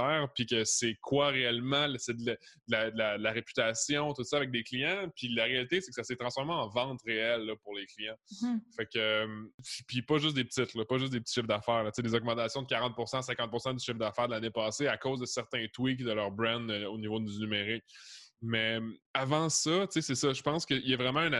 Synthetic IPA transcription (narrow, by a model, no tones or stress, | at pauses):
ɛːʁpɥikəsɛkʰwaʁeɛlmɑ̃lsɛd̪ld̪əlad̪əlad̪əlaʁepy̥t̪asjɔ̃t̪ut̪sʌavɛk̚d̪eklijɑ̃pʰilaʁealit̪esɛkə̥saset̪χɑ̃sfɔʁmeɑ̃vɑ̃t̪ʁeɛlːʌpuʁleklijɑ̃fɛkəmpipipʌʒʏs̬d̪epət̪ɪt̪lɔpʌʒʏs̬d̪ep̚ət̪i̥ʃɪfd̪afɛːʁlət͡sed̪ezɔɡmɑ̃t̪asjɔ̃d̪əkʲaʁɑ̃t̪̚puʁsɑ̃sɛ̃kɑ̃t̪̚puʁsɑ̃d̪yʃɪfd̪afɛːʁd̪əlanepɑːseakozd̪əsɛʁt̪ɛ̃t̪wikd̪əlœʁbʁɛ̃nd̪onivod̪ynymeʁɪk̚mɛmavɑ̃sʌt͡sesɛsʌʒəpɑ̃skʲəijɛvʁɛmɑ̃yn